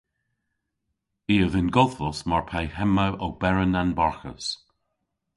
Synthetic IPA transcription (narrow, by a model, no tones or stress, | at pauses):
iːəðɪnɡɔðvɔsmaɹpʰajhɛmawʔɔwb̥ɛɹənanbaɹxə̰s